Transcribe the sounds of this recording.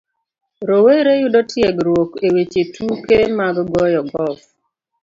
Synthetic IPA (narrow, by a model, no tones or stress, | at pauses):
ɾoweɾejudɔtʰjɛɡɾwokewet͡ʃetʰukemaɡɡɔjɔɡɔf